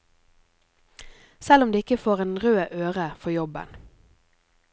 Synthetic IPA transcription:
sɛlʊmd̪eːɪkəfoːʁeːnʁøːʔøːʁəfɔjɔbə̰n

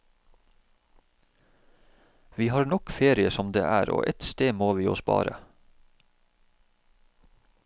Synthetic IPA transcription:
ʋiːhɑːɾɳɔkfeːɾɪəsɔmd̪ḛːʔæːɾo̰ːʔɛt̪st̪eːmoːʋiːo̰ːspɑ̰ːɾə̰

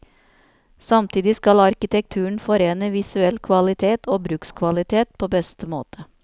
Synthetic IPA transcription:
sɑmt̪ʰiːd̪ɪskɑlɑɾkɪt̪ʰɛk̚t̪ʰʉːəɳ̩fɔɾeːnəʋɪsʉɛlkʰʋɑlɪt̪ʰeːt̪ʰoːbɾʉːkskʰʋɑlɪt̪ʰeːt̪̚pʰoːbɛst̪əmo̰ːt̪ʰə

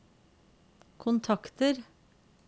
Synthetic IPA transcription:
kʰʊnt̪ʰɑkt̪əɾ

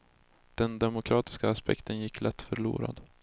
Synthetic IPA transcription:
d̪̥ɛnd̪ɛmʊkʰɾɑːt̪ɪ̥skaːspɛ̰kt̪ʰənjɪkːlɛt̪ːfœɾɭṵːɾa̰d̪

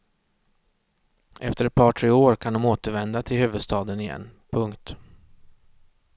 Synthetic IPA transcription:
ʔɛft̪əɾɛt̪̚pʰɑːʈʰɾeːoːɾkʰand̪ɔmoːt̪əɾvɛnd̪at̪ʰɪlhʉ̟ːvɵd̪st̪ʰɑːd̪ənɪjɛ̰nːpʰɵŋkt̪

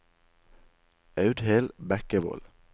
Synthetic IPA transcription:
ɑʉd̪heːlbækəʋo̰ːl

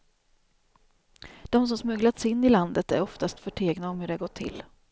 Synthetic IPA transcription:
d̪̥ɔms̬ɔmsmɵɡlat̪sɪnːɪland̪ət̪æ̰ɾɔft̪ast̪fœʈʰeːɡnaɔmhɵɖɛɾɡɔt̪ʰːɪ̰l

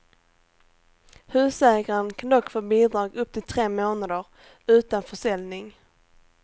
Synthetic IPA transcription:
hʉ̟ːsɛːɡaɾənkʰand̪ɔkːfoːbiːd̪ɾɑːɡɵp̚t̪ʰɪlt̪ʰɾeːmoːnad̪əɾ | ʉ̟ːt̪anfœʂɛlnɪŋ

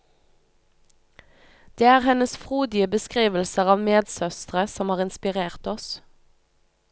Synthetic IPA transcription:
d̪̥eːæːʁhɛnəsfʁuːd̪ɪəbəskʁiːʋəl̩səʁɑːʋmeːd̪sœst̪ʁəsɔmhɑːʁɪnspɪʁeːʁt̪ɔs

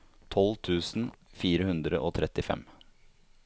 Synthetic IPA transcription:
t̪ʰɔlt̪ʰʉːsn̩fiːɾəhʉnd̪ɾəʔoːt̪ʰɾɛt̪ɪfɛ̰m

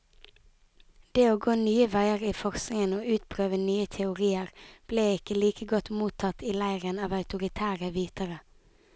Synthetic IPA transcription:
d̪̥eːoːɡoːnyːəʋæɪəʁiːfɔʁsnɪŋənoːʉːt̪pʰʁøːʋənyːət̪ʰɛʊʁiːəʁb̥leːɪkəliːkəɡɔt̪muːt̪ʰɑt̪ʰiːlæɪʁənɑːʋɑʉt̪ʊʁɪt̪ʰæːʁəʋiːt̪əʁə

